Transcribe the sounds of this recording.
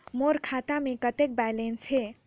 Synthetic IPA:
moɾkʰat̪amekət̪ek̚bajlensʰe

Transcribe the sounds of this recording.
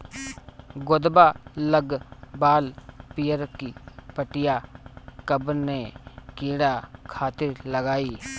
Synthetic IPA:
ɡʊd̪baləɡbaːlpijəɾkipəʈɪjakəbnekiːɽakʰaːt̪ɪɾləɡaːiː

